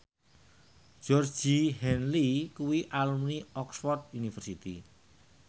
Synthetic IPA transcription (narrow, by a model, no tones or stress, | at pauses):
d͡ʒ̥ɔr̥d͡ʒ̥ihɛnlikuwiʔalumniɔksfɔrd̪̚unifərsit̪i